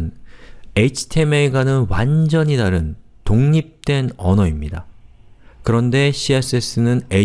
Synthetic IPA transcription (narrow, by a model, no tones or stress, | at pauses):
ne̞t͡ɕʰɯ̥tʰe̞meiɡanɯnwand͡ʑʌɲidaɾɯn | toŋɲip̚t͈we̞nʌnʌimɲida | kɯɾʌnde̞ɕʰies͈es͈ʰɯnɯne